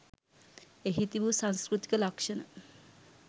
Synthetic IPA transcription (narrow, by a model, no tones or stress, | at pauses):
eɦit̪ibusaŋskɾut̪i̥kalakʃon